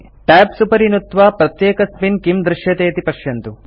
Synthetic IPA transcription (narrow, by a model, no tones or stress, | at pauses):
ʈɛːbsupɐɾinut̪ʋaːpɾɐt̪jeːkɐspinkimd̪ɾɪʃjɐt̪eːɐt̪ipɐʃjɐnt̪u